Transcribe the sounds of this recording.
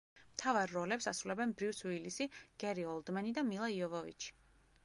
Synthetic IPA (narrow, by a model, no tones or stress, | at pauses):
mt̪ʰavaɾːɔlɛpsasɾulɛbɛnbɾivswilisiɡ̥ɛɾiɔlˠd̪manid̪amilˠaiɔvɔvḭt͡ʃʰi̥